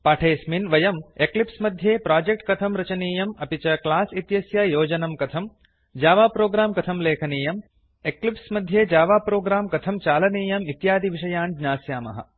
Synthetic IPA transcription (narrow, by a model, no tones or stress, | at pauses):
paːʈʰeːsminʋɐjɐmeklipsmɐd̪ʱjeːpɾaːd͡ʒek̚ʈ̚kɐt̪ʰɐmɾɐt͡ʃɐniːjɐmɐpit͡ʃɐklaːsit̪jɐsjajoːd͡ʒɐnɐmkɐt̪ʰɐm | d͡ʒaːʋaːpɾoːɡɾaːmkɐt̪ʰɐmleːkʰɐniːjɐm | eklipsmɐd̪ʱjeːd͡ʒaːʋaːpɾoːɡɾaːmkɐt̪ʰɐmt͡ʃaːlɐniːjɐmit̪jaːd̪iʋiʂɐjaːnd͡ʒnaːsjaːmɐ̰ɦɐ̰